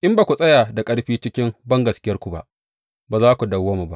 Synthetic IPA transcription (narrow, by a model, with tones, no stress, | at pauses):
ʔɪ˦mbaː˨kʷu˨sʼɐ˦jaː˨da˨kʼɐ˦ɽɸiː˦t͡ʃɪ˦kʲɪ˦mbɐ˦ŋɡɐ˨skʲɪ˦jɐ˦rkʷu˨ba̰˦ʔ | baː˨zaː˦kʷu˨dɐ˨waː˦mu˨ba˦ʔ